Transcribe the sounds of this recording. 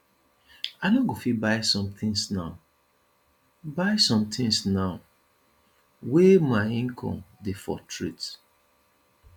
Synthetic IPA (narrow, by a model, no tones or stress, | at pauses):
anɔɡofibaɪsɔ̃mθʰĩŋsnaʊ | baɪsɔ̃mt̪ʰĩŋsnaʊ | wemaɪĩŋkʰɔ̰̃mdefɔ̰tʰɹit